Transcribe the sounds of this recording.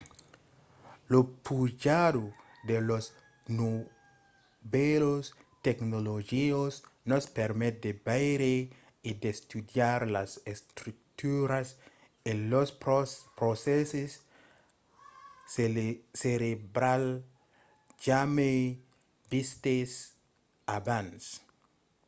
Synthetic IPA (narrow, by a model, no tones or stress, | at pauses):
lopud͡ʒado | d̪elos | no | belost̪eknolod͡ʒiosnospeɾmet̪̚d̪ebajɾe | id̪est̪udjaɾlasest̪ɾuk̚t̪uɾas | elospɾoseses | seɾebɾal | d͡ʒame | bist̪es | abans